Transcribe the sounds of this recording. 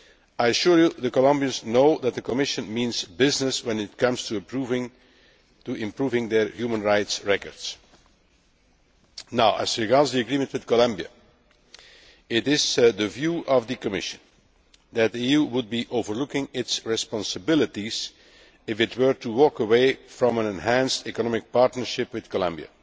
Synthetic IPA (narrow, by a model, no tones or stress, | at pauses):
ajəʃuɹjuðəkɔlʌ̃mbiə̃nznoʊðæt̪̚ðəkɔmɪʃə̃nmĩnzbɪznɨswɛ̃nɪt̚kʌ̃mstuɨɹuvɪ̃ŋ | tuɪ̃mpɹuvɪ̃ŋðɛ˞hjumə̃nɹaɪtsɹɛkə̰ɹd̥s | naʊʔə̰zɹiɡɑɹdzðiɨɡɹĩmə̃ntwɨðkɔlʌ̃mbiɨ̰ | ɪtɪzðəvjuːʔʌvd̪ɨkəmɪ̰ʃə̃n | d̪æt̪̚diijuwʊd̚biʔovəɹlʊkɪ̃ŋɪtsɹɪspɑ̃nsəbɪlətiz̥ | ɪfɨtwə˞tuwɔkəweɪfɹɔ̃mə̃nɛ̃nɦæ̃nstɛkənɑmɪk̚pɑɹtnəɹʃɪpwɪð̥kəlʌ̰̃mbiə̰